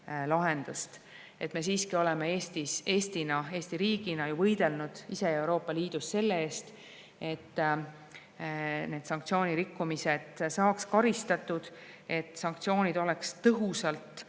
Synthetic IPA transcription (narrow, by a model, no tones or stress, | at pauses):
lɑɦe̞nd̪ust̪ | ʔe̞t̪me̞s̬iːskio̞le̞meeːst̪ise̞ːst̪inɑe̞ːst̪iɾiːɡ̥inɑjuvɤjd̪̥e̞lnud̪̥ise̞e̞wɾo̞ːpːˑɑliːd̪usːe̞lːee̞ːst̪ | e̞t̪ˑː | ne̞ːd̪sɑŋkt̪sio̞ːnʲiɾikːumise̞d̪̥sɑːkskɑɾist̪ɑt̪ːˑud̪̥ | e̞t̪ːˑsɑŋkt̪sio̞ːnʲid̪̥o̞lekst̪ɤɦusɑlt̪ˑ